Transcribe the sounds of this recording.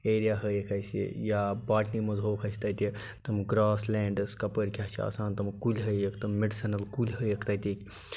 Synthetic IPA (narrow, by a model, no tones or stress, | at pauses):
eːɾijaːɦəjekʰajsʲḭjaːbaːʈnimɐzɦoːkʰɐsʲt̪ɐt̪ʲit̪ɐmɡɾaːsleːɳɖɐskɐpəɾʲkʲaːt͡ʃʰḭɐ̰saːnt̪ɐmkulʲɦəjɐkʰt̪ɐmmeɖsɐnɐlkulʲɦəjekʰt̪ɐt̪ʲekʲ